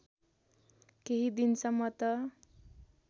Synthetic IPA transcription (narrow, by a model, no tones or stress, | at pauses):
keɦid̪insʌmːʌt̪ʌ